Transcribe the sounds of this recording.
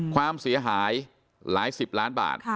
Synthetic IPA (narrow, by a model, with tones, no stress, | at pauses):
kʰwaː˧˥˩msi˨˩˦ɐɦaː˩˦j | laː˩˦jsi˨˩p̚laː˦˥nba̰ː˨˩t̪̚